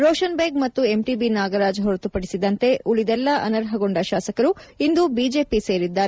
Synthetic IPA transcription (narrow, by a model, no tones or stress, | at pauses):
ɾoːʃɐnbeɡmɐt̪ːue̞mʈibinaːɡɐɾaːd͡ʒɦoɾt̪upɐɽisid̪ɐnt̪e̞ʔuɭid̪ɛlːɐʔɐnɐɾɦɐɡo̞ɳɖɐʃaːsɐkɐɾuind̪ubid͡ʒe̞ːpise̞ːɾid̪ːaːɾe